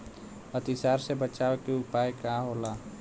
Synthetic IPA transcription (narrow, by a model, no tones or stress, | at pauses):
ət̪isaːɾsebət͡ʃaːʋekeʊpaːjkãɦoːlaː